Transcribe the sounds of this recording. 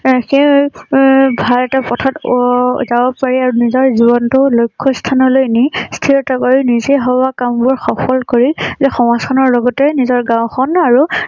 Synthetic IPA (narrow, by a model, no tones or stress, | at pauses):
xe | bʱalɛtapɔtʰatzabɔpaɹiaɹunizɔɹzibɔntʊlojkʰːɔstʰanɔlojnistʰiɹɔtakɔɹinizeɦɔbakambʊɹxɔpʰɔlkoɹizɛxɔmasɔnɔɹlɔɡɔtɛnizɔɹɡãw̃xɔnaɹu